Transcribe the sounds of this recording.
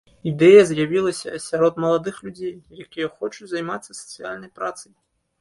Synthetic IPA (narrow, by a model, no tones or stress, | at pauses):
id̪ɛjɐzʲjavʲilˠɐsʲɐ̰ːsʲaɾɔd̪mɐlˠad̪ɨxlʲud͡zʲejːakʲijɐxɔt͡ʃut͡sʲzajmat̪sːɐsɐ̥t̪sɨja̰lʲnɐjpɾat̪sɐj